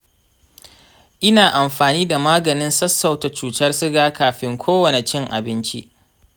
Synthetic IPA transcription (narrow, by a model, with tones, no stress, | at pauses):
ʔɪ˦naː˨ʔa˨mɸaː˨niː˦da˨maː˦ɡɐ˨nɪ˦nsɐ˦sːɐ˨wta˨t͡ʃuː˨tɐ˦rsɪ˦ɡaː˦kaː˨ɸɪ˦ŋkʷʰoː˦wɐ˨ne˨t͡ʃɪ˦ŋʔa̰˨bɪ˦nt͡ʃḭ˦ʔ